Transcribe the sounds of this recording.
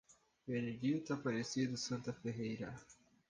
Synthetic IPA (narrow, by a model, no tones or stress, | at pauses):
vened͡ʒit̪apaɾesid̪ʊsɐ̃nt̪ɐfeɦejɾɐ